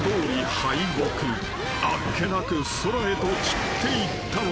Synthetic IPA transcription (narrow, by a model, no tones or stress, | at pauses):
t̪o̞ːɾʲihaiβokɯ̟ | akʰːe̞nakɯ̟soɾaet̪o̞t͡ɕi̥t̪ːe̞it̪ːa